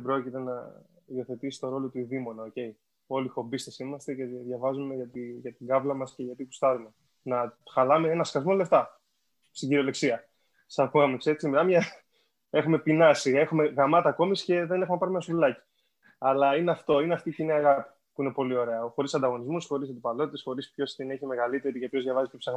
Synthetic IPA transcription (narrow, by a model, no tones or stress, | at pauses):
ðebɾo̞cit̪e̞nɐ̰io̞θe̞t̪isi̥t̪o̞ɾo̞lo̞t̪uðimo̞nɐoce̞j | o̞lixo̞bist̪esimɐst̪e̞ce̞ðʝɐvɐzume̞ʝɐt̪iʝɐt̪iɡɐvlɐmɐsce̞ʝɐt̪iku̥st̪ɐɾume̞ | nɐxɐlɐmeenɐskɐzmo̞le̞ft̪ɐ | st̪iɲɟiɾiole̞ksiɐ | sɐpuɐmekseɾksimilɐmjɐ | e̞xume̞pinɐsiɣɐe̞xume̞ɣɐmɐt̪ɐːko̞misce̞ðe̞ne̞xumepɐɾimenɐsulɐci̥ | ɐlɐineɐft̪o̞ineɐft̪iːciniɐɣɐpi̥ | puinepo̞lio̞ɾe̞ɐxo̞ɾisɐnd̪ɐɣo̞nizmusxo̞ɾisɐt̪ipɐlo̞t̪it̪esxo̞ɾispço̞st̪ineçime̞ɣɐlit̪e̞ɾicepçozðʝɐvɐzicepsɐɣ